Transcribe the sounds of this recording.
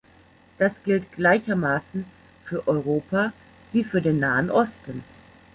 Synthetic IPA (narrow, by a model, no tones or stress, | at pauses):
d̥asɡ̥ɪltɡ̥laɪçɐmaːsn̩ | fyːɐʔɔʏʁ̞oːpa | viːfyːɐdeːnːaːənʔɔstn̩